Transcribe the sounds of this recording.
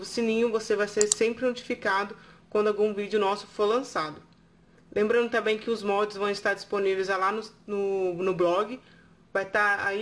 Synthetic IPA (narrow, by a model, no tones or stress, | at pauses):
vʊsinĩɲʊvosevajseɾsẽmpɾɪnot͡ʃi̥fikad̪ʊkwɐ̃nd̪ʊawɡũvid͡ʒɪʊnɔsʊ̥foɾlɐ̃sad̪ʊ | lʔẽmbɾɐ̃nd̪ʊt̪ɐ̃mbẽj̃kɪʊzmɔd͡ʒɪzvɐ̃w̃ɪst̪aɾd͡ʒisponivejzalanʊnʊnʊblɔɡɪ | vajt̪aa̰i